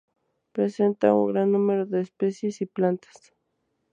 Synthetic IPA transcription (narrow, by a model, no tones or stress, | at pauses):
pɾesent̪a̰ʊ̰ŋɡɾanːumeɾoðeːspesjesiplant̪ḁs